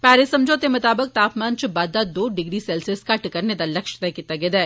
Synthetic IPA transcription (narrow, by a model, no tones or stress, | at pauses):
pɛːɾesɐ̃md͡ʒʱoːt̪emʊt̪aːbək̚t̪aːpʰmaːnt͡ʃəbaːd̪ːad̪oːɖɪɡɾisɛːlsɪskaʈkɐɾned̪alɐkʃt̪ɛkit̪ɐɡed̪ɛ